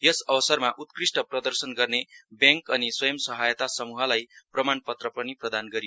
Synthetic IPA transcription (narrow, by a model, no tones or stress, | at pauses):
jʌsʌbʌsʌrmaʔut̪̚krisʈʌprʌd̪ʌrsʌnɡʌrnebjaŋkʌniswʌjʌmsʌɦajt̪asʌmuɦʌlajprʌmanpʌt̪rʌpʌniprʌd̪anɡʌɾi